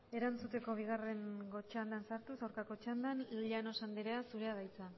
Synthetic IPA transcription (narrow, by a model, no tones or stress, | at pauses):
e̞ɾant͡sut̪e̞ko̞β̞iɣ̞are̞ŋɡo̞t͡ʃand̪ansaɾt̪usawɾkako̞t͡ʃand̪anʎano̞sand̪eɾeasuɾe̞að̞ajt͡sa